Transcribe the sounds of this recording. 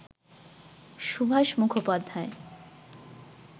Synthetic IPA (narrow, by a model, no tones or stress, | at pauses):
ʃubʱaʃmukʰopad̪ʱːae